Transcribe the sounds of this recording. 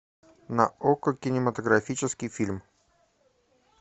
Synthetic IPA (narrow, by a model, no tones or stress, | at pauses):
nɐ̰okəkʲɪnʲɪmət̪əɡɾɐfʲit͡ɕɪskʲɪjfʲilʲm